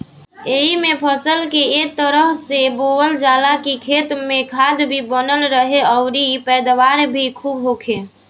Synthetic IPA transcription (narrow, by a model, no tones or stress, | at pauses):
eɦimẽpʰəsəlkeek̚t̪əɾəɦseboːʋəld͡ʒaːlakikʰeːt̪mẽkʰad̪bʱibənəlɾəɦeɔʊɾipɛːd̪ʋaːɾbʱikʰuːbɦoːkʰe